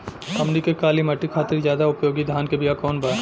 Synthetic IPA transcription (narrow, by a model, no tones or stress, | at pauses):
ɐmnikekaːlimɐʈːikʰaːt̪ɪɾzjaːd̪aʊpjoːɡid̪ʱaːnkebijakɔːnbɐ